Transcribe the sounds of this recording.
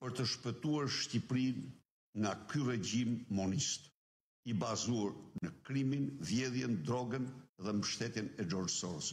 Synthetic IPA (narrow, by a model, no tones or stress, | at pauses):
pəɾt̪əʃpət̪uaɾʃcipɾin | ŋɡakyrɛɟimːɔnist̪ | ibazuaɾnəkɾiminvjɛðjɛnd̪ɾɔɡənðɛməʃt̪ɛt̪inɛdɔɾsɔɾəs